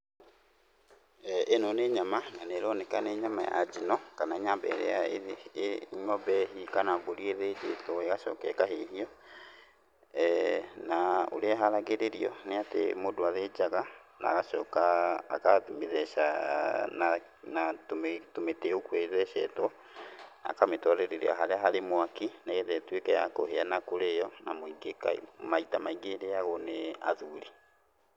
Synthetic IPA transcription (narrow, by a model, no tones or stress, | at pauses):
ʔenɔneɲamananeɾɔnɛkaneɲamaja̰d͡ʒinɔkanaeɲambɛ̰ɾḛae | ŋɔbɛɦikanaβoɾieðed͡ʒetɔeɣaʃɔ̰ːkɛkaɦeɦiɔ | nao̰ɾeaɦaɾaɣeɾeɾiɔneatḛmodoaðed͡ʒaɣa | na̰ːɣaʃɔːka̰ːkameðɛʃana | natomtometeokwɛðɛʃɛtɔ | a̰kametwɔɾɛɾeɾḛa̰ɦaɾeaɦaɾemwakinaɣɛðɛtwekɛja̰koɦeanakoɾejɔnamoiɡeka̰maitamaiɡeɾeaɣɔnea̰ðuɾi